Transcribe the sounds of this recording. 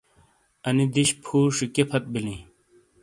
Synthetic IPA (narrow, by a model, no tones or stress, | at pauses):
ɐnid̪iɕpʰuːʂikepʰɐt̪̚bilĩ